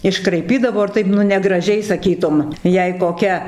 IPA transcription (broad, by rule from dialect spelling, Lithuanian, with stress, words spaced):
ɪʃkrɐɪˈpʲiːdɐʋoː ɪr ˈtɐɪp nʊ nʲɛɡrɐˈʒʲɛɪ sɐˈkʲiːtʊm ˈjɛɪ koːˈkʲɛ